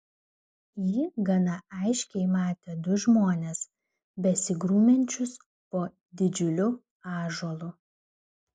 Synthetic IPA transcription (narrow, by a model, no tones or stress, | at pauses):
jiːɡɐnɐʔɐɪʃʲkʲɛɪmɑːt̪ʲeːd̪ʊʒmoːnʲes | bʲɛsʲɪɡɾuːmʲɛnʲt͡ʃʲʊs | poː | d̪ʲɪd͡ʒʲʊlʲʊ | ɑːʒoːlˠʊ